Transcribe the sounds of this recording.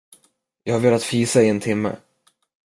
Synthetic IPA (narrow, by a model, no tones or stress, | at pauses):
jɑhaɾveːlat̪fiːsaɪɛnt̪ʰɪmːə̰